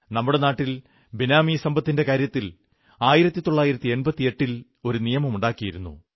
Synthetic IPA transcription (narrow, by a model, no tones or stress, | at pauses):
nɐmːuɽe̞naːʈːil | binaːmisɐmbɐt̪ːinde̞kaːɾjɐt̪ːil | aːjiɾɐt̪ːit̪o̞ɭːaːjiɾɐt̪ːie̞nbɐt̪ːieʈːil | o̞ɾunijɐmɐmuɳɖaːkːijiɾunːṵ